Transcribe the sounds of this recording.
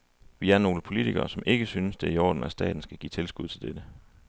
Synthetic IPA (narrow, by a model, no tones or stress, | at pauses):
ʋiæɐno̝ːləpʰo̝lit͡sʰiɡ̥ɐ̰ːsɒ̽mʔe̝ɡ̥əsynəsd̥e̝iɒ̰ːd̥n̩æsd̥ɛ̰ːd̥n̩sɡ̥æɡ̥ḭːt͡sʰe̝lsɡ̥uð̞̰ˠt͡sʰe̝ld̥ed̥ə